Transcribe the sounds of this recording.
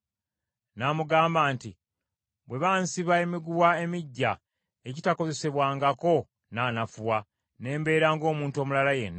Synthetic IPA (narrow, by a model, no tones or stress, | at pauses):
namuɡaːmbaːnti | bwe̞βaːnsiβae̞miɡuwae̞miɟːa | ecitako̞ze̞se̞βwaːŋɡako̞ | naːnafuwa | ne̞ːmbe̞ːɾaːŋɡo̞ːmuːntuo̞ːmulalaje̞̰nːa